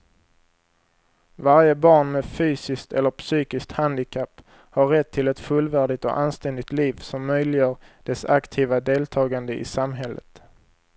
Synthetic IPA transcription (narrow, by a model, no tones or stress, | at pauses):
vaɾjəbɑːɳmɛfyːsɪskt̪ɛlːəɾpsyːkɪsk̚t̪hand̪ɪkʰapː | haɾːɛt̪ʰːɪlɛt̪fɵlvæːɖɪt̪ɔ̰ʔanst̪ɛnd̪ɪɡ̚t̪liːvsɔmːœjlɪjəːɾɖ̥ɛsakt̪ʰiːvad̪eːlt̪ʰɑːɡand̪əʔɪ̰samɦɛlːə̰t̪